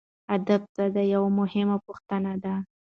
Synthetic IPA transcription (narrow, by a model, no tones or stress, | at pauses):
ad̪ab̚t̪ad̪əjawamʊhɪmapuxt̪ənad̪a